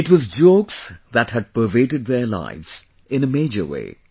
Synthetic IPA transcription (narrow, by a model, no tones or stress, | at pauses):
ɪʈwʌzd͡ʒoksðæthɨd̚pə˞veɪʈɨd̪̚ðəla̰ɪvz̥ | ɪ̃nəmeɪd͡ʒə̰˞wḛɪ